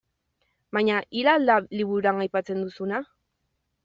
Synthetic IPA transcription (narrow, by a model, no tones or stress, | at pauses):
baɲaʔilalaliβuɾuɾaŋajpat͡se̞nd̪usuna